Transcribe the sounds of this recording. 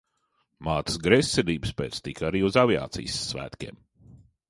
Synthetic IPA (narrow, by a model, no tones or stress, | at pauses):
maːt̪ə̥sɡɾɛsʲːɛliːbɨspeːt̪st̪ikaɾiːuzavia̰ːt̪sḭjsːvæ̰ːt̪kʲḛɛm